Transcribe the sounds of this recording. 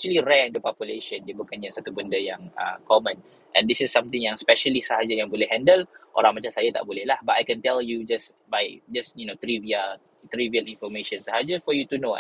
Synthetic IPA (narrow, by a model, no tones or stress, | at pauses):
ɛkt͡ʃuəliɹɛɛ̃ndəpɔpjuleʃə̃ndiəbukanɲasat̪ubəndəjãŋə̰kɔmə̃n | ʔɛ̰̃nd̪isɪsːãmt̪ɪ̃ŋjãŋspɛʃəlisəɦad͡ʒajãŋbolɛhɦɛ̃ndəlʔo̰ɾãŋmat͡ʃãmsajat̪a̰ʔbolɛhlahbat̪ajkɛ̃nt̪ɛljud͡ʒas | bajd͡ʒasjunot̪ɾiviəl | t̪ɾiviəlĩnfɔmeʃə̃nsəɦad͡ʒafɔjut̪uno